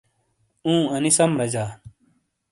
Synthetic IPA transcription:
ũːɐnisɐmɾɐd͡ʑaː

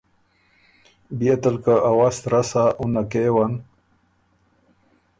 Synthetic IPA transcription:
bijat̪alkaʔawast̪ɾasaʔunakewan

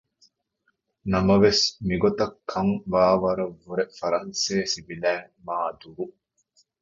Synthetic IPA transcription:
nɐmɐʋesmiɡot̪ɐkʰːɐŋʋaːʋɐɾɐʋːuɾefɐɾɐnseːsibilæːmaːd̪uɾu

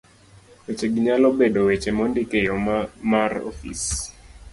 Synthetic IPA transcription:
wet͡ʃeɡiɲalɔbedowet͡ʃemɔndikejɔmarɔ̰fḭs

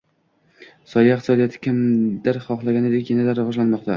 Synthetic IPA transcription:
sɒjaɪqt̪ʰɪsɒd̪ijat̪ʰɪ̥kʲʰɪmd̪aɾχɒχlˠaɡʲanɪd̪ekʲjanad̪aɾvɒʒlanmɒqt̪ʰa

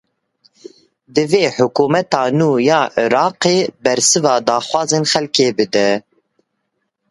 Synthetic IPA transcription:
d̪ɨveːħʊkuːmɛt̪ɑːnuːjɑːʔɪɾɑːqeːbɛɾsɨvɑːd̪ɑːxwɑːzeːnxɛlkeːbɨd̪ɛ

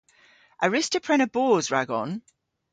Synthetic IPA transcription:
ʔəɹɪstəpʰɹ̥ɛñəbɔːzɹa̰ɡɔ̰̃n

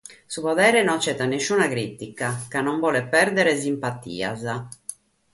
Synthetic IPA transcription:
supɔðɛːɾenont͡ʃɛt̪ːanesːuːnakɾit̪ikakanːoɱvɔːlepɛrd̪eɾes̬impat̪ḭːa̰za

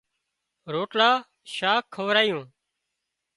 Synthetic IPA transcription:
ɾoːʈlaː | ʃaːkʰːəʋɾaːjõː

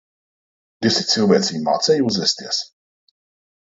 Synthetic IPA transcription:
d̪ʲisit̪silˠvɛːt̪sʲiːma̰ːt̪sɛjuzvɛsʲt̪iɛs

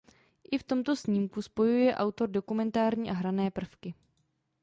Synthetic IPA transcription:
ʔɪft̪o̞mt̪o̞sɲiːmkuspo̞jujɛʔawt̪o̞ɾdo̞kumɛnt̪aːɾɲiːʔaɦɾanɛːpr̩fkɪ

